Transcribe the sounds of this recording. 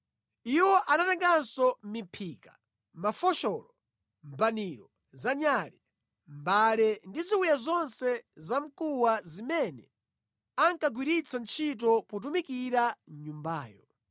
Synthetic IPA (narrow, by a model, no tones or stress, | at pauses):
iwɔʔanatɛŋɡansɔmipʰikḁ | mafɔʃɔlɔ | mbaniɾɔ | zaɲaɾi | mbalɛndiziwujazɔnsɛzam̩kuwazimɛnɛ | aŋkaɡwiɾit͡sʰant͡ʃʰit̬ɔput̬umikiɾaɲumbaːjɔ